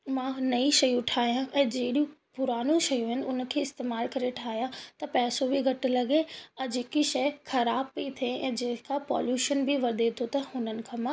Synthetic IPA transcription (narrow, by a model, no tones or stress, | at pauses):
mãnɐiʃɐjʊʈʰaːɦijãʔɛ̃ːd͡ʑeːɗijũpʊɾaːnũʃɐjũɦɪnɪ̆ʊnkʰeːɪst̪eːmaːlkɐɾeʈʰaːɦijãt̪ɐpɛːsobʱiɡʱɐʈɪlɐɡeɐd͡ʑeːkiʃɐɪxɐɾaːbpit̪ʰeɛ̰̃ːd͡ʑeːkapɔ̰ːljuːʃənbiʋɐɾd̪et̪ʰot̪ɐhʊnənɪ̆kʰãːmã